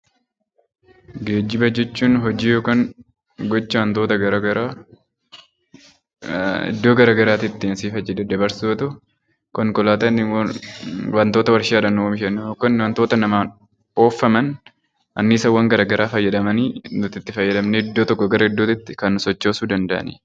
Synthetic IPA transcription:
ɡe̞ːd͡ʒːɪbɐd͡ʒɛt͡ʃːuːnɦɔd͡ʒiːjoːkaːŋ | ɡɔt͡ʃːɐwɐnt̪oːt̪ɐɡɐɾɐɡɐɾaː | ɪ̰d̪ːoːɡɐɾaːɡɐɾaːt̪ɪt̪ːɪnɐsiːfɐd͡ʒːɛd̪ɛd̪ɐbɐɾsoːt̪ʊ | kɔŋkɔlaːt̪ɐn | wɐnt̪o̞ːt̪ɐwɐɾʃaːᶑɐnːʊwɐmɪʃɐnːjoːkːɐnwɐnt̪oːt̪ɐnɐmaːn | o̞ːfːɐmɐn | ʔɐnːiːsɐwɐŋɡɐɾaːɡɐɾʔaːfɐjːɐᶑɐmɐniːnʊt̪ɪt̪ːɪfɐjːɐᶑ̪ɐmneɪd̪ːoːt̪ɔkːɔɡɐɾɐɪd̪ːoːt̪ɪt̪ːɪkɐnːʊsɔt͡ʃːoːsuːd̪ɐnd̪ɐʔɐ̰nḭː

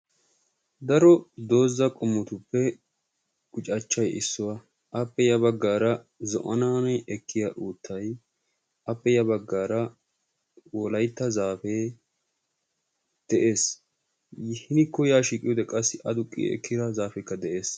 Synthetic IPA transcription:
d̪ɐɾɔd̪o̞ːzːɐkʼʊmːʊt̪ʊpːɛ | ɡ̥ʊt͡ʃʼɐt͡ʃːɐjʔɪ̰sːʊwɐ | ʔɐpːɛjɐbɐɡːaːɾɐ | zɔ̰ʔɔnaːnɐjʔɛkʰːɪjaʔuːt̪ʰːɐj | ɐpːɛjɐbɐɡːaːɾɐ | wɔlɐjt̪ːɐzaːfeː | d̪̥ɛʔe̞ːs | hɪnɪkːʊjaːʃiːkʼɪjɔːd̪ɛkʼɐsːɪʔɐd̪ʊkʼːḭɛ̰kʰːɪd̪ɐzaːfɛkːɐd̪ɛʔeːs

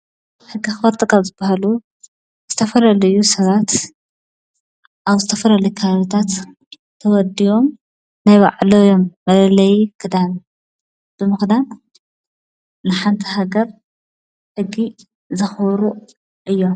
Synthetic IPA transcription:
ħɨɡːixɨwɐɾt̪ʼɨkʼazɨbaɦalu | z̥ɨt̪ʰɐfɐlɐlɨjusɐβat̪ | ʔaβzɨt̪ʰɐfɐlɐlɐjukʰaβaβit̪ʰat̪ | t̪ʰːɐwɔd̪iwo̞m | najβa̰ʕlojo̞mːɐlɐlɐjkʰɨd̪an | b̥ɨmɨxd̪an | nɨħant̪ʰiɦaɡɐɾ | ħɨɡːi | zɐxɐβɾu | ʔɨjːo̞

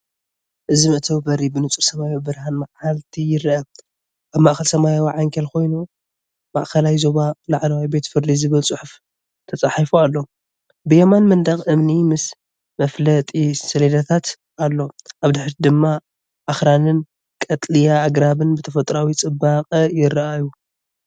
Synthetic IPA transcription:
ʔɨzimɨʔt̪ʰɐwbɐɾibɨnɨt͡sʼuɾsɐmajowbɨɾhanmaʕalt̪ʰijɪɾɐ | ʔaβmaʔxɐlsɐmajawaʕaŋkʰɐlko̞jnu | ma̰ʔxɐlajzo̞βalaʕlɐwajbe̞t̪fɨɾd̪izɨβɨlt͡sʼʊħʊf | t̪ʰɐt͡sʼaħifualːo̞ | bɨjemanmɐnd̪ɐxʔɨmnimɨs | mɐflɐt̪ʼisɐled̪at̪ʰat̪ | ʔalːo̞ʔaβd̪ɨħɾid̪ɨmːa | ʔaxɾanɨn | kʼɐt̪ʼlijaːɡɾaβɨnbɨt̪ʰɐfɐt̪ʼɾawit͡sʼɨbaqʼjɪɾʔaju

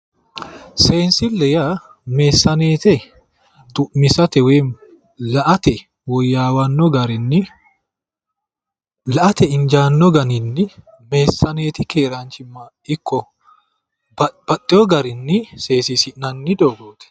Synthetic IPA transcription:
seːnsɪlːɛjaː | meːsːɐneːt̪ɛ | d̪ʊʔmɪsɐt̪ɛweːn | lɐʔɐt̪ɛ | wɔjːaːwɐnːɔɡɐɾɪnːɪ | lɐʔɐt̪ɛɪnd͡ʒaːnːɔɡɐnɪnːɪ | meːsːɐneːt̪ɪkeːɾaːnt͡ʃɪmːaː | ɪkːɔ | b̥ɐt̪ʼːɪɔɡɐɾɪnːɪse̞ːsisɪʔnɐnːɪd̪oːɡoːt̪ɛ̥

